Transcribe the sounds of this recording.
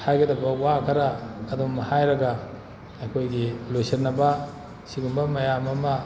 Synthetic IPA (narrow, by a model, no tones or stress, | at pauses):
hajɡɐdɐbɐwakʰɐɾaːdumɐhajɾɐɡɐː | kʰojɡilojsɐɾnːɐbɐ | siɡumbɐmɐjamɐmɐ